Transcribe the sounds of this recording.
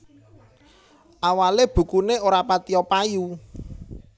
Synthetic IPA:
ʔawaleb̥ṳkuneoɾapat̪iɔpaju

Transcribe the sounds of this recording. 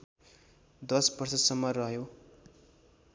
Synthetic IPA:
d̪ʌsbʌrsʌsʌmːʌrʌɦjo

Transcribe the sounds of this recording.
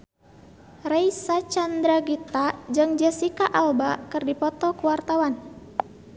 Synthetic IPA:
rajsat͡ʃand̪ɾaɡit̪ad͡ʒɨŋd͡ʒɛsikaʔalbakɨrdipɔt̪ɔkuwart̪awan

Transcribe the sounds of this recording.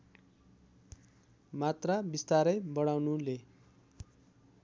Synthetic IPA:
mat̪rabist̪aɾʌjbʌɽ̃awnule

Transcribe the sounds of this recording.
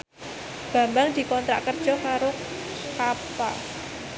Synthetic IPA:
b̥a̤mbaŋd̪̥i̤kɔnt̪ɾa̰ʔkərd̥ʒ̥ɔ̤kaɾʊ | kapa̰l

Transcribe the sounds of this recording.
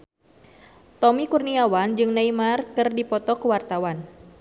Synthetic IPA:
t̪ɔmikurniawand͡ʒɨŋnaimarkɨrdipɔt̪ɔkəwart̪awan

